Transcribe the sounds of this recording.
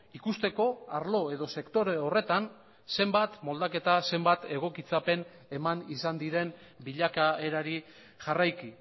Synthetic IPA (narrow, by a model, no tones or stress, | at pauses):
ikust̪e̞ko̞aɾlo̞e̞ðo̞se̞kt̪o̞ɾeore̞t̪an | se̞mbat̪mo̞ld̪ake̞t̪ase̞mbat̪e̞ɣ̞o̞kit͡sape̞n | e̞manisand̪iɾe̞nbiʎakae̞ɾaɾi | ʝarajki